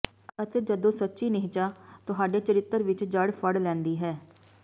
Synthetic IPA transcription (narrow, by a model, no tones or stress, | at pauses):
ət̪eːd͡ʒəd̪õːsətːʃiːnɪɦɪt͡ʃaːt̪ʊɦaːɖeːt͡ʃəɾɪt̪ːəɾʋɪt͡ʃd͡ʒəɽpʰəɽlɛ̃ːnd̪iːɦɛː